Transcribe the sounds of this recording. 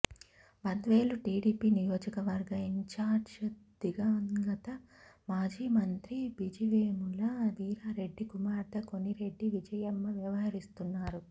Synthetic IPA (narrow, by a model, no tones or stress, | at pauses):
ʋɐnd̪ɐʋeːluʈiːɽiːpiːnijoːd͡ʒɐkɐʋɐɾɡɐiɲt͡ʃaːɾd͡ʒɐd̪iɡɐŋɡɐt̪ɐ | maːd͡ʒiːmɐnt̪ɾibid͡ʒiʋeːmulɐʋiːɾaːɾe̞ɖːikumaːɾt̪ɐko̞niɾe̞ɖːiʋid͡ʒɐjɐmːɐʋjɐʋɐɦɐɾist̪unːaːɾu